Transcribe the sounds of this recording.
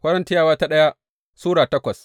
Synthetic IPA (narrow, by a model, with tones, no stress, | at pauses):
kʷɐ˦ɾɐ˦ntɪ˦jaː˦waː˦ta˦ɗɐ˦ja˦ | suː˦ɽaː˨tɐ˦kʷɐ˨s